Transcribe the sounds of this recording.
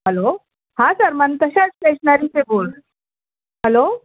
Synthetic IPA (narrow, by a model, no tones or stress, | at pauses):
ɦəlo | hãsəɾmənt̪əɕat͡speɕɳaɾit͡seboɭ | ɦəlo